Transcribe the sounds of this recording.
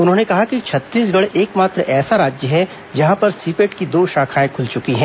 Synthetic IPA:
ʊnɦõːnekɐɦakit͡ʃʰɐt̪ːiːs̬ɡɐɽʔeːkmaːt̪ɾəʔɛːsaɾaːd͡ʒjəɦɛ | d͡ʒɐɦãpɐɾsiːpeːʈkid̪oːʃaːkʰaːẽkʰʊlt͡ʃʊkiɦɛ̃ː

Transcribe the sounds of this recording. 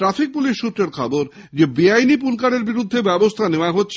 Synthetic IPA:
ʈɾafik̚puliʃːut̪ːɾeɾkʰaboɾ | d͡ʑebiajnipunkaɽeɾbiɾud̪ʱːebɛbost̪ʰaneoaɦotːɕʰ

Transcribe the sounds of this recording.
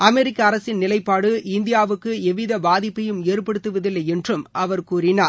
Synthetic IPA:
ɐmɛɾɪkːɐːɾɐsɪnnɪlɐɪpːaːɽɯɪnd̪ɪjaːʋɯkːɯɛʋɪðɐbaːðɪpːɐjɯmeːɾpɐɽɯt̪ːɯʋɐðɪlːɐjɛndrɯmʔɐʋɐɾkuːrɪnaː

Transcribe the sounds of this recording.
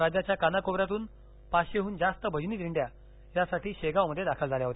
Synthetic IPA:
ɾad͡ʑat͡ɕjakanakobɾat̪uːn | paɕeɦuːnd͡zast̪əbʱəd͡ʑniːd̪ʱiɳɖja | jasaʈiːɕeɡawməd̪ʱːjed̪akʰəld͡zʱaljaɦot̪e

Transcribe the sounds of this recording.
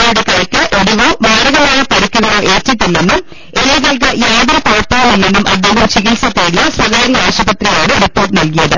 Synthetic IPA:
ɐjuɽekːɐɾɐkʲːɨʔoɽuʋomaːɾɐɣaːɾɐjɐpɐɽikʲːuɣɐɾoʔe̞ːtːit̪ːinːenːum | eɾiɣɐlk̬ɐjaːðɐɐpɐjɐpːɐːɐmilːe̞nːumʔɐ̰d̪ʱeːŋɣɐmt͡ɕiɣilsɐt̪ːeːɽijɐswɐɣaːɾiaːɐɕɐbɐt̪rijaːɳɨripːo̞ːrʈːɨnɐlkijɐðɨ

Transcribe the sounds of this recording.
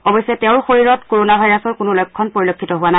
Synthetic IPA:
ɔbɔjsɛtɛʊ̃ɹxoɹiɹɔtkoɹonabʱajɹasɔɹkʊnʊlɔjkʰːɔnpoɹilokʰːitɔɦʊwana

